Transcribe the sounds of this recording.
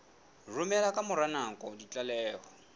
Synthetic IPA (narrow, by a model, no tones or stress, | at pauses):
rʊmɛlakʼamʊɾanaŋ̩kʼɔdit͡ɬʼalɛːhɔ